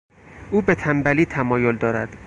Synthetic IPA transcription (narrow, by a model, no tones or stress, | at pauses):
uːbe̞t̪ʰæmbæliːt̪ʰæmɒːjo̞ld̪ɒːɾæd̪̥